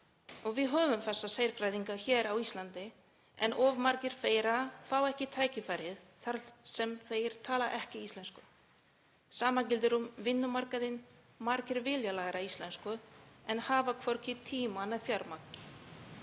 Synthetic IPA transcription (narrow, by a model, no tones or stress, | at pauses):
ɔɣvɪðɦœːvʏmθɛsːaseːjɾ̥fɾajðiŋkaçɛːɾawist̪lant̪ɪ | ɛnʔɔvmaɾcɪɾ̥feːjɾaθawɛhcɪt̪ʰaːjcɪfajɾɪðθaɾsɛmθejɾ̥t̪ʰaːlaʔɛhcɪist̪lɛnskʏ | saːmacɪlt̪ʏɾumvɪnːʏmaɾkaðɪn | maɾcɪɾvɪːljalaːɣɾaist̪lɛnskʏɛnhaːvakʰvɔwɾ̥cɪt̪ʰiːmanɛðfjaɾmak̚n